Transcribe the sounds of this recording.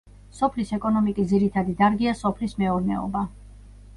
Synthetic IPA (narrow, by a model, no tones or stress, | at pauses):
sɔpʰlisɛkʼɔnɔmikʼisd̪ziɾit̪ʰad̪id̪aɾɡiasɔpʰlismɛɔɾnɛ̰ɔ̰ba